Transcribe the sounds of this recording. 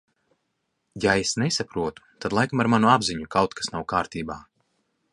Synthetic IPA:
jaesnɛsapɾuɔt̪u̥t̪ad̪lˠajkamaɾmanuabziɲukawt̪kʰḁsnawkaːɾt̪iːbaː

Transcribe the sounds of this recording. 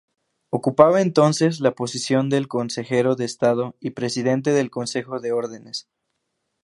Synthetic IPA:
o̞kupaβaent̪o̞nse̞s̬lapo̞sisjo̞nd̪e̞lkonse̞xe̞ɾo̞ðeːst̪aðo̞ipɾe̞siðe̞nt̪e̞ðe̞lko̞nse̞xo̞ðe̞o̞ɾðe̞ne̞s

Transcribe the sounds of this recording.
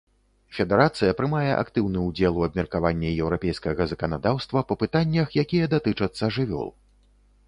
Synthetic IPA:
fʲɛd̪ɛɾat̪sɨjɐpɾɨmajɛ̰ʔa̰kt̪ɨwnɨud͡zʲɛlˠuɐbmʲɛrkavanʲːɛjɛwɾapʲɛjskɐɣɐzɐkɐnad̪awst̪vɐpɐpɨt̪anʲːɐxjakʲijɛd̪at̪ɨt͡ʂɐt̪sːɐʐɨvʲɔ̰lˠ

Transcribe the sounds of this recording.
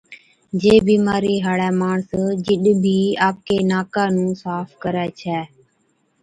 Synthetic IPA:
d͡ʒeːbiːmaːɾiːɦaːɽɛːmaːɳsd͡ʒɪɗbʱiːaːp̚keːnaːkaːnũːsaːfkəɾɛːt͡ʃʰɛː

